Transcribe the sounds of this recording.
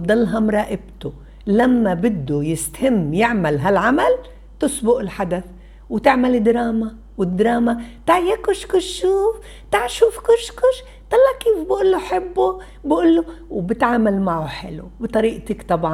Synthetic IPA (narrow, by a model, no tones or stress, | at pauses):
bd̪ˤɑlːɦɑmɾˤɑːʔɪbt̪ʊ | lamːabɪd̪ːujɪst̪hɪmːjɪʕmalɦalʕamal | t̪ʊsbʊʔɪlħad̪aθ | wt̪ɪʕmalɪd̪ɾɑːma | wɪd̪ːɾˤɑːmat̪aʕjakʊʃkʊʃʃuːf | t̪aʕʃuːfkʊʃkʊʃ | t̪ˤɑlːɑʕkiːfbɪʔʊlːuħɪbːu | bɪʔʊlːʊwbɪt̪ʕaːmalmaʕuħɪ̰lṵbit̪ˤɑɾiːʔt̪ɪkt̪ˤɑbʕɑ